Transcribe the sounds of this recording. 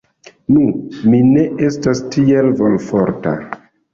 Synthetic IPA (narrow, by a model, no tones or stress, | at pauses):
numine̞ʔe̞stastielvolfoɾta̰